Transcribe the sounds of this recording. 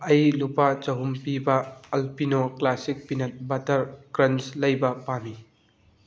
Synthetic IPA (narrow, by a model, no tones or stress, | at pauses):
ɐjlupat͡ʃɐɦumpibɐːlpinoklasik̚pinɐt̚bɐtɐɾkɾɐnslɐjbɐpami